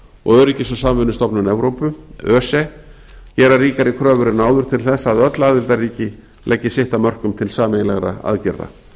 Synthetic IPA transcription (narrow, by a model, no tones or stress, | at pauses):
ɔ̰ɣœɾicɪsɔsamvʏnʏst̪ɔpnanɛvɾowpʏœːsɛ | cɛːɾariːkaɾɪkʰɾœːvʏɾɪnaːwðʏɾ̥t̪ʰɪlθɛsːaðœt̪laaːðɪlt̪ariːcɪ | lʔɛcːɪsɪht̪amœr̥kʏmt̪ʰɪlsaːmenlɛɣɾa̰a̰ðcɪɾða̰